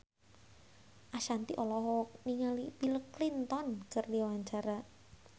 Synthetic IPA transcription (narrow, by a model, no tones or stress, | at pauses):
ʔaʃant̪iʔɔlɔɦɔniŋalipiləklint̪ɔnkərdiwaɲt͡ʃaɾa